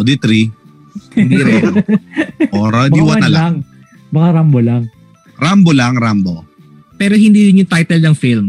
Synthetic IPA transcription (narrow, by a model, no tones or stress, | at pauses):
od̪it̪ɾi | nd̪iɾɛ | ʔoɾɐdb̪iwɐnɐlaŋ | bɐkaɾambolaŋ | ɾambolaŋɾambo | pɛːɾoɦɪnd̪iːd̪ɪnjʊŋt̪ajt̪ɛlnɐŋfilm